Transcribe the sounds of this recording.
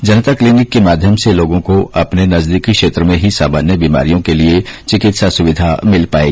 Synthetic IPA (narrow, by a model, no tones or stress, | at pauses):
d͡ʒɐnət̪akliːnɪkːemaːd̪ʱjəmseloːɡõkoʔɐpnenɐzd̪iːkikʃeːt̪ɾəmẽɦisa̰ːmaːnjəbiːma̰ːɾijõkeliet͡ʃɪkɪt̪sasʊʋɪd̪ʱamɪlpa̰ːḛːɡː